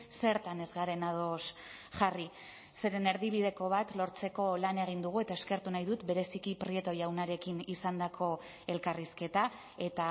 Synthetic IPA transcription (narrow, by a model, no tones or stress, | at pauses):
se̞ɾt̪ane̞zɣaɾe̞nað̞o̞s | ʝari | se̞ɾe̞ne̞ɾðiβiðe̞ko̞β̞at̪lo̞ɾt͡se̞ko̞lane̞ɣ̞ind̪uɣ̞ue̞t̪ae̞ske̞ɾt̪unajðut̪be̞ɾe̞sikipɾie̞t̪ojawnaɾe̞kinisand̪akʰo̞ | e̞lkariske̞t̪a | e̞t̪a